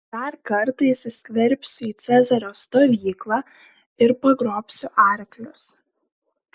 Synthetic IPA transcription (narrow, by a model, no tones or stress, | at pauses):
d̪̥ɐɾkɐɾt̪ɐɪssʲkʲʋʲɛɾʲpʲsʲʊiːt̪sʲɛzɐɾʲoːst̪oːʋʲiːklˠɑː | ɪɾpɐɡɾoːpʲsʲʊʔɑˑɾʲklʲʊs